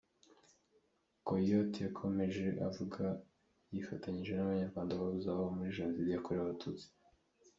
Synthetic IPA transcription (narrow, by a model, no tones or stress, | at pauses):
kojotjakʰo̞me̞ʒe̞ʔa̰vuɡa | jifatʰaɲiʒɡe̞naβaɲaɾɡwaːndaβaβuzaβomuɾiʒeːnziɾijakoɾeβaβatʰut͡si̥